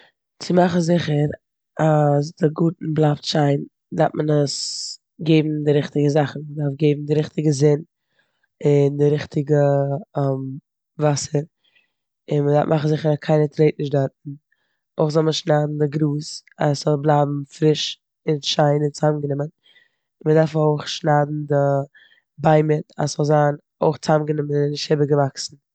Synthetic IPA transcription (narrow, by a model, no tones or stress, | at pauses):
t͡sɪmaχn̩zɪχəɾ | as̬dɪɡuːtn̩blˠaptʃaɪn | daɾt̚mənəs | ɡeɪbm̩dɪɾɪχtɪɡəzaχn̩mədaɾfɡeɪbm̩dɪɾɪχtɪɡəzɪn | ɪndɪɾɪχtʰɪɡəɛm | vasəɾ | ɪnmədaɾfmʔaχn̩zɪχəɾakʰaɪnətɾeɪt̚nɪʃdaɾt̚n̩ | oɪχzɔlˠməʃnaːdn̩dɪɡɾuːsa̰sz̥ɔlˠblˠaːbm̩fɾɪʃ | ɪnʃaɪnɪnt͡saːmɡənɪmən | ɪnmədaɾfoʊχʃnaːdn̩dɪ | baɪmɪta̰sz̥ɔlˠzaːn | oɪχt͡samɡənɪmənnɪʃthɪbəɡəvaksn̩